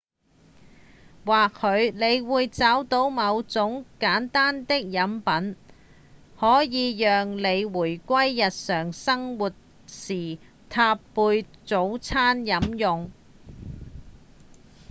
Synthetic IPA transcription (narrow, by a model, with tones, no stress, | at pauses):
waː˨k̚hɵ˨˧ɥle˨˧jwuː˨˧jt͡saː˨˥wt̪o˨˥wmɐ˨˧wt͡sʊ˨˥ŋkaː˨˥nt̪aː˥nt̪ɪ˥k̚jɐ˨˥mpɐ˨˥n | hɔː˨˥jiː˨˧jœː˨ŋle˨˧jwuː˨˩jkʷɐ˥jːɐ˨t̚sœː˨˩ŋsɐ˥ŋwuː˨t̚ | siː˨˩ | t̪ʰaː˧pːuː˧jt͡so˨˥wt͡sʰaː˥njɐ˨˥mjʊ˨ŋ